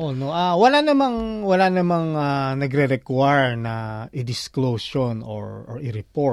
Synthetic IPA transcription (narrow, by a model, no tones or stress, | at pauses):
ʔonoʔawɐlanɐmaŋwɐlaːnɐmaŋanɐɡɾɛɾɛkwajɹnɐʔɪd̪ɪsklosono̰ɹɔɹʔɪɾɪpo